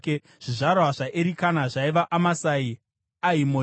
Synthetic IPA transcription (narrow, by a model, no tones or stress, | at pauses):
ke | ʐ̥iʐarwaʐaʔeɾikanaʐaiʋaʔamasai | aimo